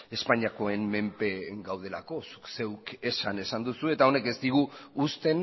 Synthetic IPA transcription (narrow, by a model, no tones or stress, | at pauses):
e̞spaɲiako̞e̞mme̞mpe̞ɡawð̞e̞la̰ko̞su̥kse̞wke̞sane̞sand̪usue̞t̪ao̞ne̞ke̞zt̪iɣ̞uːst̪e̞n